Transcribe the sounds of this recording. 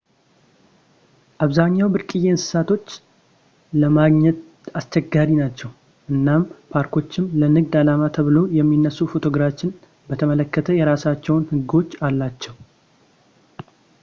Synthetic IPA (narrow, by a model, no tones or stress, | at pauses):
ʔaβzaɲːawbɨɾkʼɨje̞ɨnsɨ̥sat̪ʰo̞t͡ʃː | ləmaɡɲɛt̪ | ast͡ʃɛɡːaɾinat͡ʃːɛw | ʔɨnːampʰaɾkʰo̞t͡ʃːɪmlənɨɡd̪alamat̪ʰəβɨlo̞jɛmːinːəsːufo̞t̪ʰo̞ɡɾafɪn | bət̪ʰəmələkːət̪ʰəjɛɾasat͡ʃːɛwnhɨɡo̞t͡ʃːalːat͡ʃːɛw